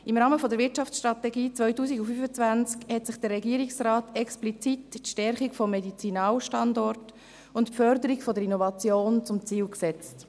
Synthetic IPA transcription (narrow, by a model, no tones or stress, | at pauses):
ɪmɾɑːməfɔdəɾvɪɾtt͡ʃɑft͡ssʃtɾɑtɛɡiːt͡svœʏtuːsiɡufyfət͡svænt͡skhɛtsɪχd̥ərːɛɡiːəɾiksrɑːtɛksplit͡sitʃtɛɾχikfɔmːɛdit͡sinɑːlʃtɑndɔrt | ʊntpfœɾdəɾikfɔdəɾinɔvɑt͡sjoːnt͡sʊmt͡siːwksɛt͡st